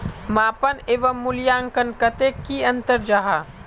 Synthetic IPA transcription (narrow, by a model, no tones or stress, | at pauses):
maːpɐneːʋɐmːʊljaːŋkɐnkɐt̪ekiɐ̃nt̪əɾd͡ʒaːɦaː